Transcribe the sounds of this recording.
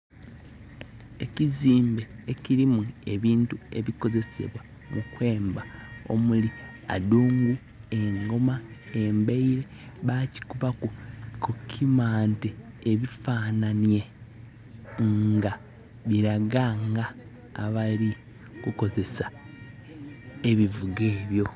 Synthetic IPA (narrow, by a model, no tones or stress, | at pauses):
e̞ciziːmbe̞ːciɾimue̞βiːntue̞̰βiko̞ze̞se̞̰βwa | mukwe̞ːmbao̞̰muli | a̰duːŋɡu | e̞ŋɡo̞maembeiɾe̞ | βaci̥kuβakukukʰimaːnteː | βifaːnanje̞ | ŋɡa | βiɾaɡaŋɡaː | βali | kuko̞ze̞sa | eβivuɡeːβjo̞